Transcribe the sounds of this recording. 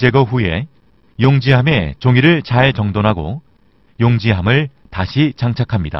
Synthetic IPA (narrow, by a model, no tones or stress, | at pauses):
d͡ʑe̞ɡʌɸue̞̰ | joŋd͡ʑiɦame̞t͡ɕoŋiɾɯɭt͡ɕaɭt͡ɕʌŋdonɦaɡo̰ | joŋd͡ʑiɦamɯɭ | taɕʰit͡ɕaŋt͡ɕʰakʰamɲida̰